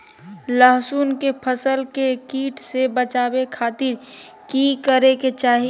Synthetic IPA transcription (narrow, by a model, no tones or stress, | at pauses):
ləɦsuːnkepʰəsəlkekiːʈsebət͡ʃaːbekʰaːt̪ɪɾ | kikəɾeket͡ʃaːɦi